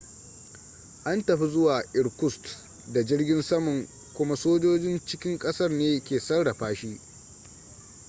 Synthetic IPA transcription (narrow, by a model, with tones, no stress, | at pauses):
ʔa˦ntɐ˨ɸi˦zʊ˦waː˨ʔɪ˨ɽkʷʊ˦st | da˨d͡ʒɪ˦rɡʲɪ˦nsɐ˦mʊ˨ŋ | kʷʊ˦ma˦soː˦d͡ʒoː˦d͡ʒɪ˦nt͡ʃɪ˦kʲɪ˦ŋkʼɐ˦sɐ˦rneː˦kʲeː˨sɐ˦rɽa˨ɸaː˦ʃiː˦